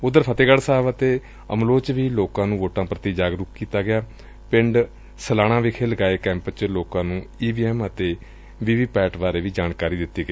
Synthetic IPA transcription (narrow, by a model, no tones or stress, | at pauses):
ʊd̪əɾpʰət̪eːɡəɽsaːʋət̪eː | ə̰mloːt͡ʃʋiːloːkãːnũːʋoːʈãːpɾət̪iːd͡ʒaːɡɾʊkkiːt̪aːɡɪaː | pɪ̃ɳɖ | səlaːñãːʋɪkʰeːləɡaːeːkɛ̃ːmpt͡ʃloːkãːnũːiːbiːɛːmət̪eː | ʋiːʋiːpɛːʈʋaːɾeːʋiːd͡ʒaːnkaːɾiːd̪ɪt̪ːiːɡəiː